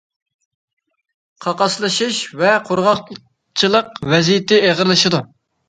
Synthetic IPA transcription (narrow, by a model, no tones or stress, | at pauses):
qʰɑqɑslˠɨʃɨʃvɛqʰoɾʁɑq | t͡ʃʰɨlˠəqvɛzijɪt̪ʰɪeʁəɾlˠɨʃɨd̪u